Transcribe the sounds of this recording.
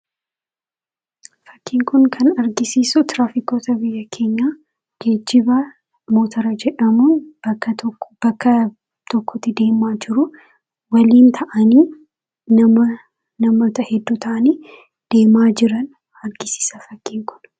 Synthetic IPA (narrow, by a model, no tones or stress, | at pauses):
fɐkʰːiːŋkʊŋkʰɐnɐɾɡɪsiːsʊt̪ɾaːfɪkoːt̪ɐbɪjːɐkʰe̞ːɲːaː | ɡ̥ed͡ʒːɪbɐ | moːt̪ʰɐɾɐd͡ʒɛᶑɐmuːnbɐkːɐt̪b̥ɐkːɐ | t̪ɔkːɔt̪ːɪd̪e̞ːmaːd͡ʒɪɾʊ | wɐliːnt̪ʰɐʔɐniː | nɐmɐ | nɐmoːt̪ɐhɛd̪ːuːt̪ʰɐʔɐniː | d̪̥e̞ːmaːd͡ʒɪɾɐn | ɐɾɡɪsɪ̥sɐfɐkːiːŋkʊ̥n